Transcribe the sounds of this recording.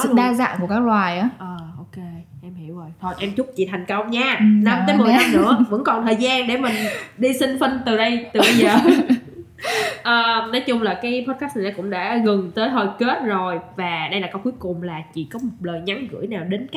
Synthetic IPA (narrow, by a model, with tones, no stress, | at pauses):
ɨ̰˧˨ɗaː˧za̰ː˧˨nku˧˩əkaː˦˥klwaː˨˩jʔaː˨˦ʔəː˨˩ʔo˧ke˧ʔɛ˧mhi˧˩˨wʔo˨˩jt̪ʰo˧˩jʔɛ˧mt͡ɕʊ˦˥k͡p̚t͡ɕḭ˧˨t̪ʰa˨˩jŋ̟kə˧wŋ͡mɲaː˧na˧mt̪əː˨˦jm˨˩jta˨˦˧mnɨ̰˧˥əvə̰˧˥nkɔ˨˩nt̪ʰəː˨˩jzaː˧ŋɗe˧˩mï˨˩ŋ̟ɗi˧sï˧ŋfi˧nŋ̟t̪ɨ˨˩ɗə˧jt̪ɨ˨˩ə˧jzəː˨˩ | ʔəː˨˩nɔ˨˦jt͡ɕʊ˧ŋ͡mlaː˨˩kaː˨˦jpʰɔ˦˥t̚kaː˦˥stnʰ˨˩ɗa˧˩kʊ̰˧˥ŋ͡mɗa̰ː˧˥ɣɨ˨˩ŋt̪əː˨˦jɦəː˨˩jke˦˥t̚zo˨˩jvaː˨˩ɗə˧jlaː˨˩kːa˨˦ku˨˦əjkʊ˨˩ŋ͡mlaː˨˩t͡ɕḭ˧˨kɔ˨˦mo˨˩t̚ləː˨˩jɲa˨˦ŋɣɨ̰˧˥əjnaː˨˩wɗe˨˦n˦